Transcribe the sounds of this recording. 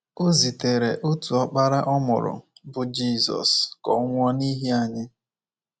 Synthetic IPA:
o˦zi˨te˨ɾe˨ʔo˦tu˨ɔ˦k͡pa˦ɾa˦ʔɔ˦mʊ̰˨ɾʊ̰˨bʊ˨d͡ʒi˦˨zɔ̰˨skɔ̰˨ʊ˦ŋʷɔ˦ni˦ɦi˦a˨ɲɪ˦

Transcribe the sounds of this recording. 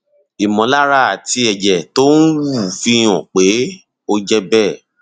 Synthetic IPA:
i˨mɔ̃˨˦la˦ɾa˦˨a˨ti˧ɛ˨d͡ʒɛ˨to˦n̩˦wu˦˨fi˧˦j̃ɔ̰̃˨k͡pe˨˦ | o˧d͡ʒɛ˧bɛː˦˨

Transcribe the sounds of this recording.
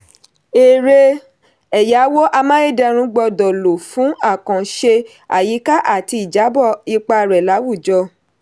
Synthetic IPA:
e˨ɾe˧ | ɛ˨ja˨˦wo˦ʔa˧mã˦e˦˨dɛ˧ɾ̃ũ˧˦ɡ͡bɔ˧dɔ˨lo˨fũ˨˦a˦˨kã˨ʃe˧ | a̰˨ji˨˦ka˦ʔa˦˨ti˧i˨d͡ʒa˨˦bɔ˦˨i˧k͡pa˧ɾɛ˨la˨˦wu˦˨d͡ʒɔ˧

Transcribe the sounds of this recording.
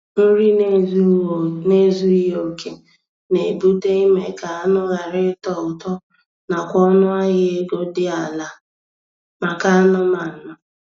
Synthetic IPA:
n̩˦ɾi˦n˦zne˦zu˦i˦ɦo˨kʰe˦ | ne˨bu˦te˦i˦me˨ka˨a˦nʊ˦ɣa˨ɾɪ˦tɔ˨ʊ˨tɔ˦ | na˨kʷɔ˦nʊ˦a˦ɣɪ˦e˦ɡo˦dɪ˦a˨la˨ | ma˨ka˦nʊ˦ma˨n̩˨nʊ˨

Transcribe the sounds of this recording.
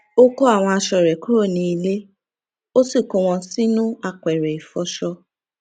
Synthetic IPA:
o˦ko˦a˦˨w̃ɔ̃˧a˧ʃɔ˧˨ɾɛ˨ku˦ɾo˦˨nĩ˧˦i˧le˦ | o˦si˦˨ko˧˦w̃ɔ̃˧si˦nũ˦a˧kɛ˨ɾɛ˨i˨fɔ˧˦ʃɔ˧

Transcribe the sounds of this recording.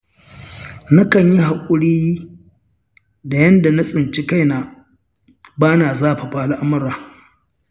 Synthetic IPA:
na˦kɐ˨ɲji˦ha˨kʷʼʊ˦ɽiː˦ | da˨jɐ˦nda˨na˦sʼɪ˨nt͡ʃi˦ka˦jna˨ | baː˦naː˨zaː˦˨ɸa˨ɸa˦ʔa˨lʔa˦mɐ˦ɾaː˨

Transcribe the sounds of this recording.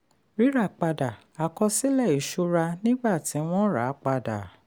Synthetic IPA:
ɾi˨˦ɾa˦˨k͡pa˧da˨ | a˨kɔ˧si˦lɛ˦˨i˨ʃu˦ɾa˧nĩ˦ɡ͡ba˦˨ti˨˦w̃ɔ̃˦ɾa̰˨˦k͡pa˧da̰˨

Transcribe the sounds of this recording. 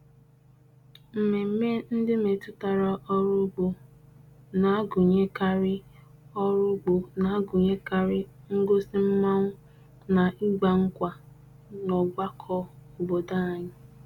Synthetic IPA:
m̩˨me˨m̩˦me˦n̩˦dɪ˦me˨tʊ˦ta˨ɾa˨ʔɔ˦ɾʊ˦ɡ͡bo˨ | na˨a˦ɡu˨ɲe˦ka˦ɾɪ˦ɔ˦ɾʊ˦ɡ͡bo˨na˨a˦ɡu˨ɲe˦ka˨ɾɪ˦ | ŋ̩˦ɡo˦sɪ˦m̩˦ma˦ŋʷʊ˦ | na˨ʔi˦ɡ͡ba˨ŋ̩˦kʷa˨ | nɔ˨ɡ͡ba˦kʰɔ˦o˨bo˨da˦a˨ɲɪ˦

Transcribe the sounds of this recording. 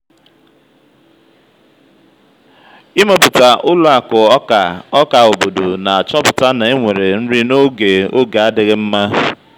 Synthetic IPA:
ɪ˦mo˨bʊ˨ta˨ʔʊ˦lʊ˦a˨kʊ˨˦a˨ɔ˦ka˨o˨bo˨do˨na˨a˨t͡ʃɔ˦bʊ˨ta˦na˨e˦ŋʷe˨ɾe˨n̩˦ɾi˦no˦ɡe˨o˦ɡa˨a˦dɪ˨ɣɪ˦m̩˦ma˦

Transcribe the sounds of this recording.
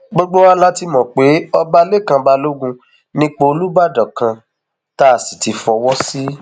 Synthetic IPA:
ɡ͡bo˦ɡ͡bo˦wa˦la˦ti˧mɔ̃˨k͡pe˨˦ɔ˦˧ba˧le˦˨kã˧ba˧lo˦ɡũ˧ | nĩ˦k͡po˧o˧lu˦ba˦˨dɔ˨kã˧ | ta˦a˨si˨ti˨˧fɔ˧wɔ˦si˦

